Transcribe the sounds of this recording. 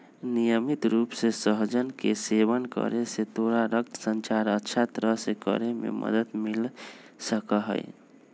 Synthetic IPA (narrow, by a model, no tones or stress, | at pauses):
nijəmit̪ɾupsesəɦd͡ʒənkesebənkə̰ɾeset̪oɾaɾək̚t̪sənt͡ʃaɾətːʃʰat̪ɾəɦsekə̰ɾemḛmʔə̰d̪əd̪mil | səkəɦə̰j